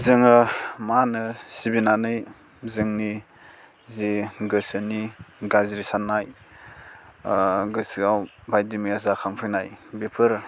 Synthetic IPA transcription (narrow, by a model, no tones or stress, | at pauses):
zɯŋɯmanɯsibinanɯj | zɯŋni | ziɡɯsɯniɡaziɾisanːaj | ɡɯsɯawbajdimiazakʰaŋpʰɯjnajbepʰɯɾ